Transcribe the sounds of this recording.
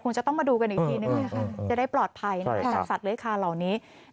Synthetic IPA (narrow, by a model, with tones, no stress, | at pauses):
kʰo˧ŋt͡ɕa˨˩t̪ɔ˥˩ŋmaː˧duː˧ka˧nʔi˨˩t̪ʰiː˧niː˦˥ma˧˥˧kʰa˥˩t͡ɕa˨˩da˥˩jplɔː˨˩t̪̚pʰa˧jna˦˧˦t͡ɕaː˧˩sa˨˩t̪̚lɯː˦˥˦kʰaː˧la˨˩wniː˦˥